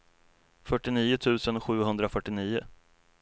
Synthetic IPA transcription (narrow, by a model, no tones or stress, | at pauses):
fœʈːɪniːʊt̪ʰʉ̟ːsənɧʉ̟ːɦɵnd̪ɾafœʈːɪniːʊ